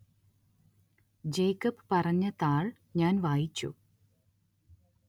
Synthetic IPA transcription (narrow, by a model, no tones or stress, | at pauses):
d͡ʑejkːɐpɨ̥pɐrɐɲːɐt̪aːɭ | ɲaːnʋaːjit͡ɕːṵ